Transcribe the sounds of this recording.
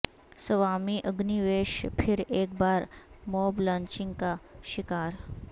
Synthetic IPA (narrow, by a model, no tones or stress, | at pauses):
səʋamiʔəɡniʋeɕpʰiɾeːk̚baːɾmoblãɲt͡ɕiŋɡkaɕikaɾ